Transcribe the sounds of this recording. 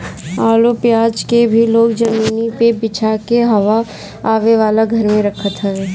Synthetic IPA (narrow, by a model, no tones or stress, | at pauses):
aːlopjaːd͡ʒkebʱiloːɡd͡ʒɐmiːnipebɪt͡ʃʰakeɦɐʋa | aːʋeʋaːlaɡʱɐɾmẽɾɐkʰət̪ɦɛɛ